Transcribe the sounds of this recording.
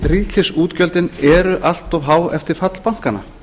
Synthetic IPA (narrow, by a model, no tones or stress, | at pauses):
riːcʰɪsuːt̪cœlt̪ɪnɛɾʏʔal̥t̪ɔvɦaːwɛ̰ft̪ɪɾ̥fat̪lpaŋ̥kana̰